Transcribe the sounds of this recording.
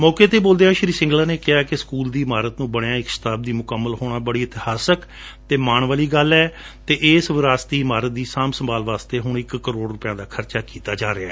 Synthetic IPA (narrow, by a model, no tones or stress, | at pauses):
mɔːkeːt̪eːboːld̪eːãːʃɪɾiːsɪ̃ŋɡlaːneːkɪaːkɪskuːld̪iːɪmaːɾət̪nũːbəɽjãːɪkʃɪ̥t̪aːb̚d̪iːmʊkəmːəlɦoːɽ̃aːbəɽiːɪt̪ɪhaːsək | t̪eːmaːɳʋaːliːɡəlɛː | t̪eːʔeːsʋɪɾaːst̪iːɪmaːɾət̪̚d̪iːsaːmsəmbaːlʋaːst̪eːɦʊɳɪkːəɾoːɽɾʊpjãːd̪aːkʰəɾt͡ʃaːkiːt̪aːd͡ʒaːɾɪaːɛː